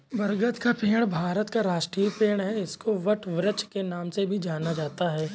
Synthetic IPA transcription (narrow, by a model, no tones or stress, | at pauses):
bɐɾɡət̪kapeːɽ̃bʱaːɾət̪kaɾaːʃʈɾiːpeːɽ̃ɦɛɪskoʋəʈʋɾət͡ʃkenaːmsebʱid͡ʒaːnad͡ʒaːt̪aɦɛː